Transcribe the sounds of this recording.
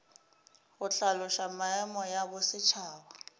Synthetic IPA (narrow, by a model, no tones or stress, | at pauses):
ɣʊɬalʊʃamaɛmɔjaβʊsɪt͡ʃʰaːβa